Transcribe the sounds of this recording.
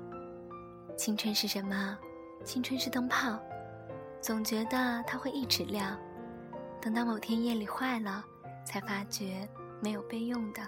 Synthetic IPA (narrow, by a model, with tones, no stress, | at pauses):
t͡ɕʰi˥ŋʈ͡ʂʰwə˥nʂɻ̩˥˩ʂə˧˥nmə˧ | t͡ɕʰi˥ŋʈ͡ʂʰwə˥nʂɻ̩˥˧t̪ɤ˥ŋpʰɑ˥˩ʊ | t͡sʊ˨˩ŋt͡ɕɥɛ˧˥d̪ə˧t̪ʰa˥xwe˥˧ɪi˥˩ʈ͡ʂɻ̩˨˩ljɑ˥˩ŋ | t̪ɤ˨˩ŋt̪ɑ˥˩ʊmo˨˩t̪ʰjɛ˥njɛ˥˩nli˨˩xwa˥˩ɪlə˩ | t͡sʰa˧˥ɪfa˥t͡ɕɥɛ˧˥ | me˧˥ɪjo˨˩ʊpe˥˧ɪjʊ˥˩ŋd̪ə˩